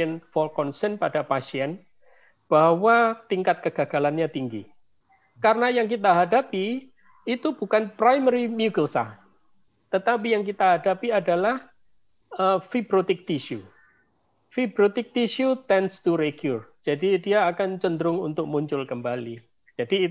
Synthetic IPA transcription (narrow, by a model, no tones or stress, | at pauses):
ɛnfɔlkɔnsɛnpadapasiɛn | b̥aɦwat̪iŋkat̪̚kəɡ̥aɡ̥alanɲat̪iŋɡḭ | karənajaŋk̬it̪aɦadapiː | t̪ubukanpɾajmɛɾimjuɡəlsa̰h | t̪ət̪ap̬ijaŋk̬it̪aɦadapiadalah | əfibɾot̪ɪk̚t̪iʃu | fibɾot̪ɪk̚t̪iʃut̪ɛnst̪uɾeɡjurd͡ʒ̥adidiaːkant͡ʃəndəɾʊŋunt̪ʊk̚muɲt͡ʃʊlkəmbali | d͡ʒadi